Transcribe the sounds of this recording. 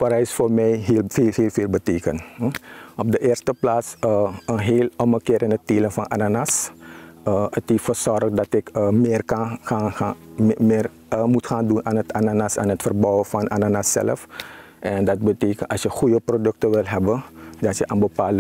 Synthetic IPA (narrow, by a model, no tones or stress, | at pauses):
pɾɛjsfoːrmɛjɦilfeːlheːlˠfeːlˠbəteːkən | ɔp̚dəʔeːrstəplaːsəənɦeːlɔməkɪːɾɪnətteːlənfɑnʔananas | əətɪfəsɔrxdɑtɪkəmeːrkɑnxaaɪːr | mutxaːndunaːnətʰananasa̰ːnɦətfərbɔwəfɑnʔananasːɛ̰ləf | ʔɛndɑt̚bəteːkənɑsjəχujəprodɵk̚təʋɪlɦɛbəndɑtjəʔənbəpaːlə